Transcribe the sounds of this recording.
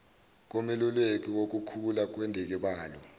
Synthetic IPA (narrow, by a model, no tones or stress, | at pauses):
k̬omilulwek̬ʼiwok̬ukʰulak̬ʼwendʱik̬iɓaːlɔ